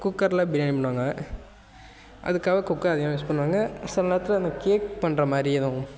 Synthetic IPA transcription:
kʊkːɐɾlabɪɾɐːnipɐɳːɯʋaːŋɡɐ | ʔɐ̰ðɯkːaːʋɐkʊkːɐɾɐðɪŋãmɪspɐɳːʋaːŋɡɐɐsɐlnat̪ːɯlɐɐnd̪ɐkeːk̚pɐɳɾɐmaːd̪ɾɪɐðʊ̃

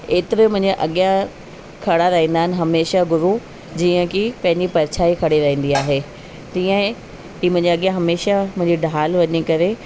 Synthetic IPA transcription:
eːt̪ɪɾemʊ̃ɦɪ̃ɲd͡ʑəʔɐɠijã | kʰɐɽaɾɐɦĩːn̆d̪aːɦɪnɪ̆ɦɐmeːʃaɡʱʊɾu | d͡ʑiːə̃kʰipɐ̃ɦɪ̃ɲd͡ʑipɐɾt͡ɕʰaːikʰɐɽiɾɐɦĩːn̆d̪iaːɦe | d͡ʑ̪iːə̃ | iːmʊ̃ɪ̃ɲd͡ʑɐɠijãɦɐmeːʃamʊ̃ɦɪ̃ɲd͡ʑiɖʱaːlʋɐɲikɐɾe

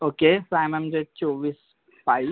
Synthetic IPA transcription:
okesoajmãmd͡ʒet͡ʃoʋiːs | pai

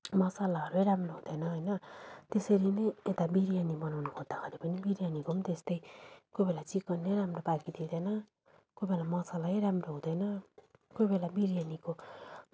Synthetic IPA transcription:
mʌsalaɦʌɾuejɾamroɦũd̪ʌjnʌɦʌjnʌt̪esʌɾinʌjet̪abiɾijanimʌnawnukod̪akʰeɾipʌnibiɾijanikomnt̪est̪ʌjkojbelat͡sikʌnːeɾamropakid̪id̪ʌnʌ | kojbelamʌsalaijɾamroɦũd̪ʌjnʌkojbelabiɾijaniko

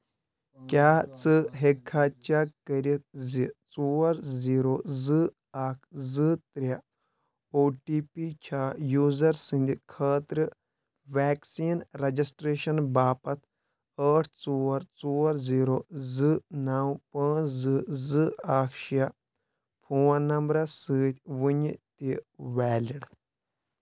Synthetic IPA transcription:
kʲaːt͡sɨɦekʰːaːt͡ʃaːkɐɾit̪̚it͡suːɐɾziːɾoːzɨ | aːkʰzɨt̪ɾʲja | oːʈiːpiːt͡ʃʰaːjuːzɐɾsɨ̃nd̪ikʰəːt̪ɾɨ | ʋaːksiːnɾɐd͡ʒisʈɾeːʃɐnbaːpɐt̪ʰ | əːʈʰt͡soːɐɾt͡soːɐɾziːɾoːzɨnaːwpɐ̃ːzɨzɨaːkʰʃija | pʰuːãnɐmbɾɐsɨːt̪ʲʰʋuɲt̪iʋɛːlʲiɽ

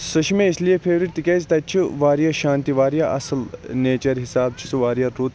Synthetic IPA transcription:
sɐʃimẽislijepʰeːʋɾiʈt̪ikeːzt̪ɐt͡ʃʰiʋaːɾijaʃaːnt̪iʋaːɾijaʔɐ̰slneːt͡ʃɐɾɦisaːb̚t͡ʃʰi̥suʋaːɾjaɾuːt̪

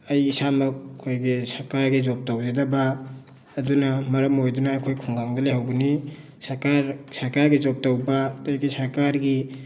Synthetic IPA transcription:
ɐjisamɐkʰojɡesɐɾkaɾɡizop̚tawdedabaː | dunɐmɐɾɐmojdunaːjkʰojkʰuŋɡaŋdɐleɦawbuni | sɐkaɾsɐɾkaɾɡizop̚tawbatojɡisɐɾkaɾɡi

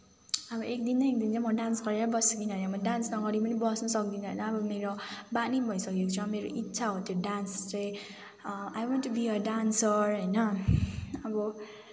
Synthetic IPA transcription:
ʌbʌek̚d̪indaek̚d̪int͡sãjmʌɖansɡʌɾeɾʌbʌsʌkinɦʌjnʌmʌɖansnʌɡʌɾipʌnibʌsnʌsʌk̚d̪inʌɦʌjnʌːbʌmeɾobanibʱʌjsʌkekot͡sʰuʌmeɾoʔitːsʰaɦot̪joɖanst͡saj̃ | ajwʌnʈubiʌɖansʌrɦʌjnʌ | ʌbʌ

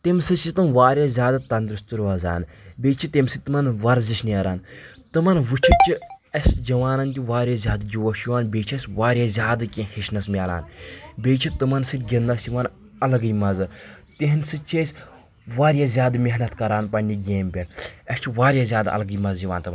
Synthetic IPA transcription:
t̪emsɨt͡ʃit̪ɨmʋaːɾʲjazʲaːd̪ɨt̪ɐnd̪ɾɨst̪uɾɐza̰ːnbeːt͡ʃʰit̪emsɨt̪ɨmɐnʋɐɾziʃnɐːɾaːn | t̪ɨmɐnʋɨt͡ʃʰit͡ʃʰiɐsd͡ʒɐʋaːnɐnt̪ʲiʋaːɾʲjazʲaːd̪d͡ʒuʋɐʃjuaːnbʲeːt͡ʃʰesʲʋaːɾʲjazʲaːd̪ɨkʲĩhiʃnɐsmʲaːla̰ːnbʲeːt͡ʃʰit̪ɨmɐnsɨt̪ʲɡʲinːɐsjiʋɐn | ɐlɐɡɨjmɐzɨt̪iɦnsɨt͡ʃʰesʲ | ʋaːɾʲjazʲjaːd̪mʲeɦnɐt̪kɐɾaːnpɐnʲːiɡʲeːmʲpʲɐnɐst͡ʃʰiʋaːɾʲjaːzʲaːd̪ɐ̰lɐɡɨːmɐzjiʋaːnt̪ɨmn

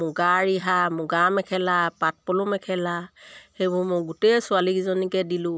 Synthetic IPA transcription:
mʊɡaɹiɦamʊɡamɛkʰɛlapat̚pɔlumɛkʰɛlahejbʊmʊjɡutɛsʊalikizɔnikɛdilʊ̃

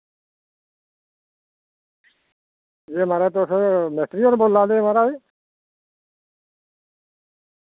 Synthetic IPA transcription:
jemaɾat̪osmesʈɾioɾbolːaːleemaɾai

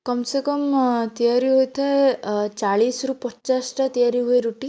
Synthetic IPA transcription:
kɔmsekɔmt̪ijaɾiɦojt̪ʰaet͡ʃaɭisɾupɔt͡ʃasʈat̪ijaɾiɦoeɾuʈi

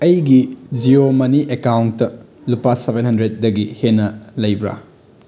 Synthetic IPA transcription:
ɐjɡid͡ʒiomɐniʔekawntːɐ | lupasebenhɐndɾet̚dɐɡihenːɐlɐjbɾa̰

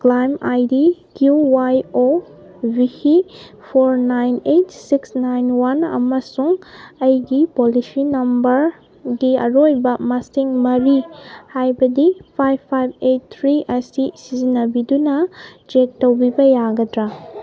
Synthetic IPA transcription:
klajmajdikjuwajo | bihi | pʰoɾnajnetsiksnajnwanɐ̰mɐsuŋɐjɡipolisinɐmbɐɾ | ɡiɐ̰ɾojbɐmɐsiŋmɐɾihajbɐdipʰajbpʰːajb̚et̚t̪ʰɾiʔɐsisizinɐbidunɐd͡ʒektːɐwbibɐjaɡɐdɾa

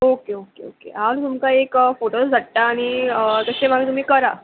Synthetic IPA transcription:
okeokḛo̰kḛɦant̪umkaekfoʈosd͡zʱaʈʈ̪aːɽ̃iət̪əsemam̤iːt̪um̤iːkəɾa

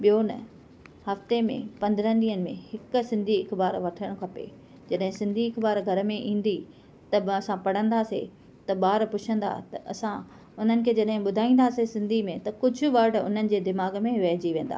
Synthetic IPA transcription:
ɓijonɐ̰ | hɐft̪emḛ̃pɐ̃nd̪əɾə̃d̪iːənɪ̆mḛ̃hɪk̆sɪ̃nd̪ʱiɪkbaːɾʋɐʈʰəɽ̃kʰɐpḛ | d͡ʑɐɗɦɪ̃sɪ̃nd̪ʱiɪkbaːɾɡʱɐɾəmẽʔĩːn̆d̪i | t̪ɐɐsãpɐɽ̤ə̃nd̪aːsḛ | t̪ɐɓaːɾpʊt͡ɕʰə̃nd̪a̰ːt̪ɐʔɐsã | ʊn̤ənɪ̆kʰeːd͡ʑɐɗɦɪ̃ɓʊd̪ʱaːĩːn̆d̪aːsesɪ̃nd̪ʱimẽt̪ɐkʊd͡ʑʱʊ̆ʋɐɾɖʊ̰n̤ənɪ̆d͡ʑeːd̪ɪmaːɡmẽʋɛːɦd͡ʑiʋẽːn̆d̪a̰ː

